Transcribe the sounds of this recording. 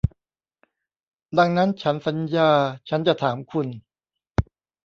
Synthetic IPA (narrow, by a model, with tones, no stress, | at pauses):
da˧ŋna˦˥nt͡ɕʰa˦˥nsa˩˦njaː˧t͡ɕʰa˦˥nt͡ɕa˨˩t̪ʰaː˩˦mkʰu˧n